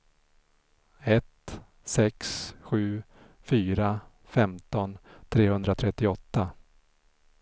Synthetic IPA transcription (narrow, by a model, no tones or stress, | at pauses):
ɛt̪ | sɛksɧʉ̟ː | fyːɾa | fɛmt̪ɔnt̪ʰɾeːhɵnd̪ɾat̪ʰɾɛt̪ːɪɔt̪ːa